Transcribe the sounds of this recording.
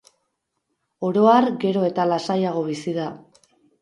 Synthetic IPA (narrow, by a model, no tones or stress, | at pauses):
o̞ɾo̞aɾɡe̞ɾo̞e̞t̪alasajaɣ̞o̞β̞isiða